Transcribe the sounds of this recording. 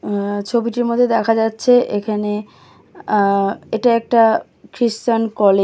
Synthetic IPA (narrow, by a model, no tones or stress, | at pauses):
t͡ɕʰobiʈiɾmod̪ʱːed̪ɛkʰad͡ʑatːɕʰeʔekʰane | eʈaɛk̚ʈa | kɾistankɔle